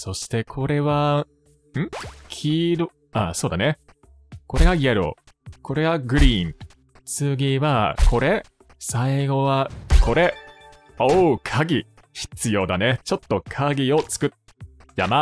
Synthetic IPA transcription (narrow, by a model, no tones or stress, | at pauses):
so̞ɕi̥t̪e̞kʰo̞ɾe̞βa | ɯ̟̃kʲʰiːɾo | aso̞ːd̪ane | ko̞ɾe̞ɡaieɾo̰ | ko̞ɾe̞ɡaɡɯ̟ɾʲiːŋ | t͡sɨɡʲiβakʰo̞ɾe̞ | saiɡo̞βako̞ɾe̞ | okʰaɡʲi | çi̥t͡sɨjo̞ːd̪ane̞t͡ɕo̞t̪ːo̞kʰaɡʲio̞t͡sɨ̥kɯ̟ | jama